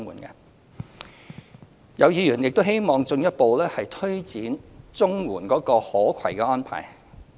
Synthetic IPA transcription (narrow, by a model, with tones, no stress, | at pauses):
ŋuː˨˩nkɛ̰˧ | jɐ˨˧wjiː˨˧ɥyː˨˩njɪ˨k̚t̪o˥he˥jmɔː˨˩ŋt͡sɵ˧ŋjɐ˥t̚po˧wlɛː˥hɐ˨jt̪ʰɵ˥ɥt͡siː˨˥nt͡sʊ˥ŋwuː˨˩nkɔː˨˥kɔː˧hɔː˨˥kʷʰɐ˨˩jkɛː˧ɔː˥npʰa̰ː˨˩j